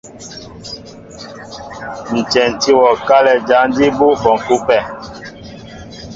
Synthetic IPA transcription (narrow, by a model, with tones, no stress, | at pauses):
n̩˨t͡ʃɛ˨n̩˨ti˦wɔ˨ka˦lɛ˨d͡ʒa˨˦n˦di˦bo˦kɔ˨ŋ˨ku˦pɛ˦˨